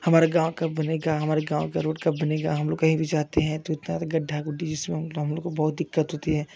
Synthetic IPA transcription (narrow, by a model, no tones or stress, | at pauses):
hɐmaːɾeɡãːw̃kɐp̚bɐneɡaɦɐmaːɾeɡãːwkaɾoːɖkɐp̚bɐneɡaɦɐmloːɡkɐɦĩbʱid͡ʒaːt̪eɦɛ̃t̪oɪt̪nat̪ɡɐɖʱːaɡʊɖid͡ʒɪsmẽɦɦɐmloːɡkobɔɦʊt̪̚d̪ɪkːət̪ɦoːt̪iɦɛ̃ː